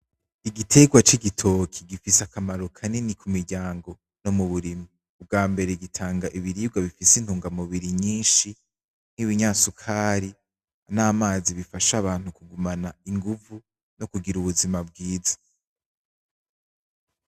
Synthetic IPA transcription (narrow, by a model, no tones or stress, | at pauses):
iɡitʰe̞ɡwat͡ʃiɡitʰokʰiɡifisakamaɾukʰaninikumiɾɟaːŋɡo̞ | no̞muβuɾimiː | b̚ɡaːmbe̞ɾe̞ɡitʰaːŋɡaʔiβiɾiːb̚ɡaβifisin̥huːŋɡamuβiɾiɲiːnʃi | n̥iβiɲaːsukʰaːɾi | anaːmaːziβifaʃaβaːn̥hukuɡumanaiŋɡuvu | no̞kuɡiɾuβuzimab̚ɡiːzḁ